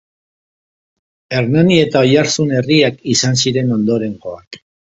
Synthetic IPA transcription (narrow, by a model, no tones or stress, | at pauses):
e̞ɾnanie̞t̪ao̞jaɾsune̞riakisansiɾe̞no̞nd̪o̞ɾe̞ŋɡo̞ak